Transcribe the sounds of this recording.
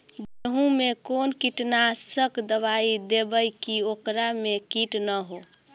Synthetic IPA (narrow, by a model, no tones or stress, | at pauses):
d͡ʒeɦũmekonkiʈnasəkd̪əbaid̪ebəjkiokɾamekiʈnəɦo